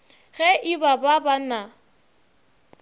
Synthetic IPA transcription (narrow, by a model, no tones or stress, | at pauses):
ɣɛʔɪbababana